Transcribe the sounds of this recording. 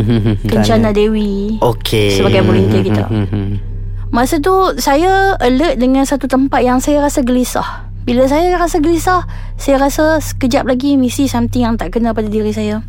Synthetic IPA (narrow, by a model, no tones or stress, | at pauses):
kəɲt͡ʃanadewiokʰesəbaɡajbəlint̪əkit̪a̰ | masət̪̬usajaələt̪̚dəŋãnsat̪ut̪əmpat̪̚jaŋsajaɾasaɡəlisa̰h | bilas̬ajaɾasaɡəlisah | sajaɾasasə̥kəd͡ʒap̚laɡimisisamt̪ijaŋt̪aʔkənãpadadiɾisaja